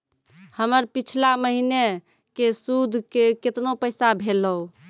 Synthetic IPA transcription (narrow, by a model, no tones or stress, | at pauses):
həməɾpit͡ʃʰlaməɦine | kesud̪ʱkeket̪nopəɪsabʱeləu